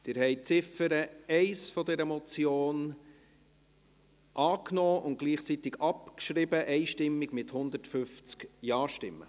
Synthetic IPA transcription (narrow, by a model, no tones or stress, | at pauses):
d̥ɪːɾhɛɪt͡sɪfəɾəɛɪsfɔd̪ɛɾəmɔt͡sjoːn | ʔɑːknɔːʊnt̚ɡ̥liːχt͡sit̪ɪɡɑpkʃɾɪbəʔɛɪʃtɪmːɪɡmɪt̪hʊnd̪ətfʏft͡skjɑːʃtɪmːə̰